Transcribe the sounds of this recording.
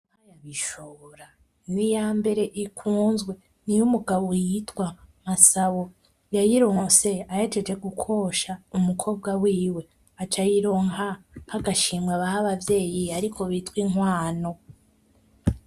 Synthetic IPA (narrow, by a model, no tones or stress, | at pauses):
majaβiʃoβɾa | nijaːmbe̞ɾe̞ʔikʰuːnzɡwe̞ | nijumuɡaβojitkwamasaβo | jajiɾo̞ːse̞ajed͡ʒed͡ʒe̞ɡukʰo̞ʃaumukʰo̞ːb̚ɡawiːwe̞ | at͡ʃajiɾo̞ŋa | haɡaʃiːmwaβahaβavje̞ːjiaɾikʰo̞βitkwiŋwaːno̞